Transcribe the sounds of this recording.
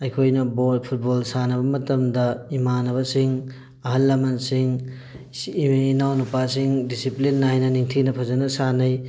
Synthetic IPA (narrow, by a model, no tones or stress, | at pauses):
ɐjkʰojnɐbot̚pʰut̚bolsanɐbɐmɐtɐmdɐimanɐβɐsiŋ | ɐɦɐlːɐmɐnsiŋ | nawnupasiŋdisiplinːajnɐniŋtʰinɐpʰɐzɐnɐsanɐj